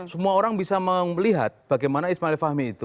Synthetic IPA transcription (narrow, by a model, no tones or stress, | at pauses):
səmuaoɾaŋbisaməliɦa̰t̪̚b̥aɡajmanaismaɪlfahmiːt̪u